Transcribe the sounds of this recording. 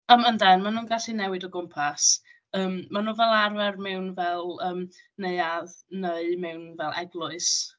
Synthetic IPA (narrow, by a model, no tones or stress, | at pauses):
əːməndɛnmanuːnɡaɬinɛwɪdɔɡʊmpʰas | əːmmːanuːvɛlˠarvɛrmɛwnvɛlˠəːm | neɨaðnəɨmɛwnvɛlˠʔɛ̰ɡlˠʊɨs